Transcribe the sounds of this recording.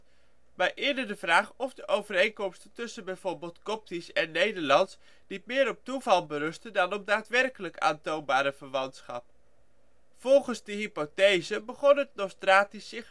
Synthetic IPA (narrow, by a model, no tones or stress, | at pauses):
majʔɪdədəvraːχɔvdəʔowvərejnkɔmstəntɵsənbɛjv̥oːɹbɪːlˠtkɔp̚tisɛnːejdəɹlɑnts | nit̚mɪːɾɔp̚tuvɑlˠbərɵstəndɑnɔpdaːtʋɛrkələka̰ːntownbaːɾəvəɹʋɑntsχɑp̚ | fɔlˠχənzdəɦipotejzəbəχɔnət̚nostraːtisɪχ